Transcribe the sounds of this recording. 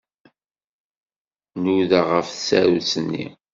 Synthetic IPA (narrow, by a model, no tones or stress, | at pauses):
nuðaʁəfθsæ̰ɾut͡sənːḭ